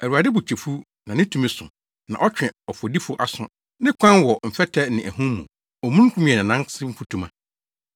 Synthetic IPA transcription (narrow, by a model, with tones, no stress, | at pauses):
æ˨ɾu˨a˨dɪ˦bu˨t͡ɕʰe˨fu˦ | nã˨nɪ̃˦tʰũ˦mĩ˦sʊ̰̃˨ | nã̰˨ʔɔ˦t͡ɕᶣɛ̃˨ɔ˨fɔ˨di˦fʊ˦ʔa˨sʊ̰̃˦ | nɪ̃˦kʷʰã˦nwɔ˨m̩˨fɛ˦tʰɛ˦nɪ̃˨ʔæ˨hũ˦mṵ̃˨ | ɔ˨mũ˦kʰũ˦mĩ˦ɛ˨nɪ̃˨nã˦sɪ˦m̩˦fu˦tʰũ˨mã̰˨